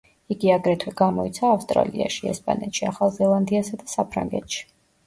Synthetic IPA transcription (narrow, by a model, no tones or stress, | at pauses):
iɡiaɡɾɛt̪ʰwɛɡamɔḭt̪sʰaːfst̪ʼɾa̰lḭa̰ʃiɛ̰spʼa̰nɛt̪ʃiaχalˠzɛlˠand̪iasad̪asapʰɾa̰ŋɡɛ̰t̪ʃi̥